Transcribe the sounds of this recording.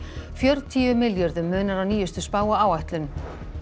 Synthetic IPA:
fjœɾt̪ʰiːʏmɪljɛɾðʏmːʏːnaɾawniːjʏst̪ʏspaːwaaːwajht̪lʏn

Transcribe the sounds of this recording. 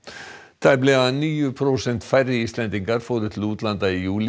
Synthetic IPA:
θʰablɛanːiːʏpʰɾosɛnt̪fɛrjɪiːst̪lɛnd̪ɪŋkaɾfoːɾʏt̪ʰɪluːt̪land̪aijuːlɪ

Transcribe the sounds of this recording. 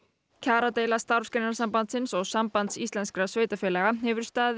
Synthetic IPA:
cʰaːɾat̪eːjlast̪aɾfskɛnɪnasampant̪sɪnsɔɣsampant̪sist̪ɛnskɾasveːjt̪afɛːlɛɣahɛvʏɾ̥st̪aːð

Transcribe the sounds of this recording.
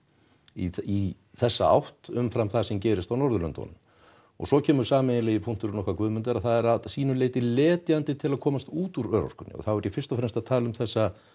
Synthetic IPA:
ii | θɛsːa̰a̰wht̪ʏmfɾamθasɛmcɛːɾɪst̪awnɔɾðʏlœ̰nt̪ɔ̰nʏm | ɔ̰ɣsɔcʰɛːmʏɾ̥saːmɪnɪlɛɣɪpʰun̥t̪ʏɾnɔhkvakvʏːmʏnt̪̬aɾaθaðɛɾaðsiːnʏleːjt̪ɪlɛːt̪jant̪ɪt̪ʰɪlaðkʰɔːmast̪uːt̪uɾœːɾa̰wr̥kʏnɪ̰ɔ̰ɣθawɛɾt̪jɛfɪr̥t̪ʏfɾɛmst̪aðt̪ʰaːlɪʏmθɛsːa

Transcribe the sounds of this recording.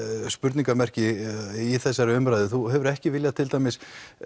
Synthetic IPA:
spʏɾt̪niŋkamɛr̥cɪiθɛsːaɾɪʏmɾajðɪθuɦɛvʏɾɛhcɪvɪljaðt̪ʰɪlt̪ajmɪs

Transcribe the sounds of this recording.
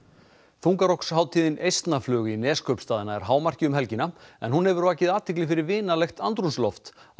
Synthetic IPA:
θuŋkaɾɔwkshaːwt̪ʰiːðɪnejst̪naflœːɣɪinɛːskʰœpst̪aːðɪnaɛɾ̥ɦaːwmar̥cɪʏmɦɛlcɪnaɛ̰nɦunhɛvʏɾɔvaːcɪðaːt̪ʰɪklɪfɪɾɪɾvɪːnalɛxt̪ant̪ɾunslɔft̪

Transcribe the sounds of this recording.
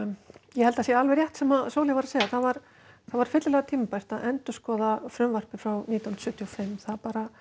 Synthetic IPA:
jɛhɛlt̪asjɛalvɛɾjɛht̪sɛmasowlɛvaɾaseːjðaθaðvaɾ | θaðvaɾ̥fɪt̪lɪlɛɣat̪ʰiːmapajr̥t̪aðɛnt̪ʏskɔːðafɾʏmvar̥pɪfɾawnit̪awunɾ̥sʏht̪ʰːiɔfɪmːθaðpaːɾa

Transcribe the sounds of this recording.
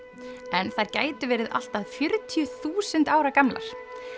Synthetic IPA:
ɛnθajɾcaːjt̪ʏvɛːɾɪða̰l̥t̪aðfjʏɾt̪ʰijʏθuːsʏnt̪aːwɾakamlʔa̰ɾ̥

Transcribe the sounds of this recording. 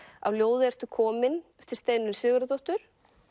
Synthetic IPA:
avljoːwðʏɛɾ̥t̪ʏkʰɔːmɪn | t̪ʰɪ̥l̥st̪eːjnʏlsʏːɣʏɾat̪̬ɔht̪ʏɾ̥

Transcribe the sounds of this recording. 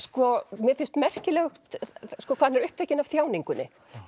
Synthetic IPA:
skɔmjɛfɪnst̪mɛr̥cɪlɛɣʏxt̪skɔkʰvaðtnɛɾʏhp̚t̪ʰejcɪnavθjaːwniŋkʏnɪ̰

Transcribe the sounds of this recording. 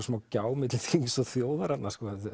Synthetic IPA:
smaːwcaːwmɪt̪lɪθʰiŋsɔθjoːwðaɾat̪naskɔð

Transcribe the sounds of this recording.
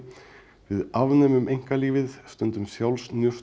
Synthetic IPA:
vɪðavnɛːmʏmejŋ̥kaliːvɪðst̪œnt̪ʏmsjawlsnjɔst̪

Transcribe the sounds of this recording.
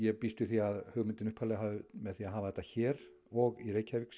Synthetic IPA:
jɛpist̪ʏθiaðhœɣmɪnt̪ɪnʏhphalɪɦaːvʏmɛðθiaðɦaːvaðɛht̪ːaçɛːɾ | ɔɣiɾeːjcʰaviks

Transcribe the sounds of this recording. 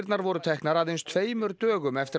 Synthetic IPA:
ɾt̪naɾvɔɾʏt̪ʰɛhknaɾaðejnst̪ʰveːjmʏɾt̪œːɣʏmɛft̪ɪɾ

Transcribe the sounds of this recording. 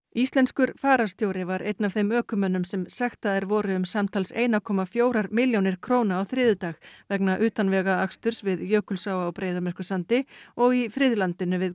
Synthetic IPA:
ist̪lɛnskʏɾfaːɾḁst̪joːwɾɪvaɾʔḛjt̪nav̥θejmœːkʏmœnːʏmsɛmsɛxt̪aðɛɾvɔːɾʏʏmsamt̪ʰaːlsḛːjnakʰɔːmafjoːwɾaɾmɪljownɪɾ̥kʰɾoːwnaːwθɾɪːðʏt̪aɣvɛknaʔʏːt̪anvɛːɣaakst̪ʏɾ̥svɪðjœːkʏlsaːwaɔwpɾeːjðamɛr̥kʏsant̪ɪɔɣifɾɪðlant̪ɪnːʏvɪð

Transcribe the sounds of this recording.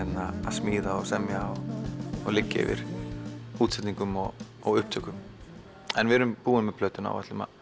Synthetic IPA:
ɛt̪naaðsmiːðaɔsɛmjaɔɣːɣlɪcːɪɛ̰vɪ̰ɾ̥ | uːt̪sɛt̪niŋkʏmɔɣ | ɔɣʏhp̚t̪ʰœkʏm | ɛnvɪɾʏmpuːɪnmɛðpʰlœːɥt̪ʏna̰wvɛ̰t̪lɪma̰

